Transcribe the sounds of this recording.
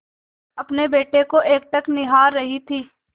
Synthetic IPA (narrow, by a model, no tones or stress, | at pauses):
ɐpnebeːʈekoʔeːk̚ʈ̪ɐknɪɦaːɾːɐɦit̪ʰiː